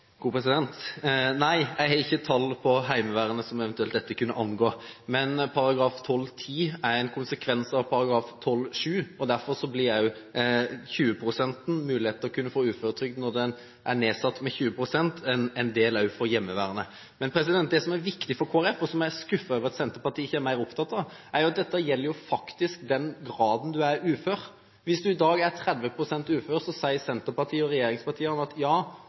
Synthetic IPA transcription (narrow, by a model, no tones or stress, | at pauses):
ɡ̥uːpʰɾɛs̬ɪd̪ɛnt̪næɪjæɪɡhɑɪçːət̪ʰɑlːpʰɔɦæɪməʋæːɾənəsɔmɛʋɛnt̪ʉɛlt̪d̪ɛt̪ːəkʉnːəʔɑnɡoːmɛnpʰɑɾɑɡɾɑːft̪ʰɔlːt̪ʰiːæɾɛɪnkʰʊnsəkʰʋɛnsɑʋpʰɑɾɑɡɾɑːft̪ʰɔlːʂʉːɔd̪æɾfɔɾsɔblɪɾjæ | çʉːəpʰɾʊsɛnt̪n̩mʉːlɪheːt̪əɾɔkʰʉnːəfoːʉːføɾət̪ʰɾʏk̚d̪nɔd̪ɛn | ʔæɾneːsɑt̪ːmɛçʉːəpʰɾʊsɛnt̪ʰɛnɛnd̪eːlɑʉfɔɾjɛmːəʋæ̰ːɾənə | mɛnpʰɾɛs̬ɪd̪ɛnt̪̚d̪ɛsɔmæɾʋɪkt̪ɪfɔɾkʰoːɑɾɛfːɔsɔmæɾskʉfːɑøːʋəɾɑt̪sɛnt̪əɾpɑt̪ʰiːɪçːəæɾmæɪɾɔpt̪ʰɑt̪ːɑʋæɾjʊɑt̪̚d̪ɛt̪ːəjɛlːəɾjʊfɑkt̪ɪskd̪ɛnɡɾɑːd̪n̩d̪ʉæɾʉːføːɾ | ʋɪsd̪ʉɪd̪ɑːɡæɾt̪ʰɾɛd̪ʋəpʰɾʊsɛnt̪ʉːføːɾsɔsæɪəsɛnt̪əɾpɑɾt̪ʰiːɔɾɛjeːɾɪŋspɑʈʰiːəɾnəɑt̪jɑː